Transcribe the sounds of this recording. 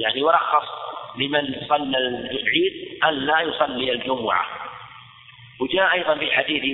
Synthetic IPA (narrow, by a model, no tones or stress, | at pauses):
jaʕniwɾˤɑxːɑsˤlɪmɪnjsˤɑlːalʕiːd̪̚ʔanlajʊsˤɑlːiald͡ʒʊmʊʕa̰ | wd͡ʒaːʔʔɑjðˤɑnfiħad̪iːθ